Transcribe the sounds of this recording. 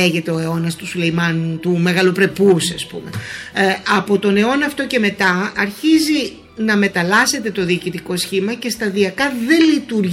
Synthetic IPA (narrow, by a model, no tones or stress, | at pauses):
eʝe̞t̪e̞o̞e̞o̞nɐst̪usule̞jmɐnt̪ume̞ɣɐlo̞pɾe̞pusɐspṵme̞ | ɐpo̞t̪o̞ne̞o̞nɐft̪o̞ce̞me̞t̪ɐːɾçizi | nɐme̞t̪ɐlɐse̞t̪e̞t̪o̞ðiːcit̪iko̞sçimɐce̞st̪ɐðiɐkɐðe̞lit̪uɾ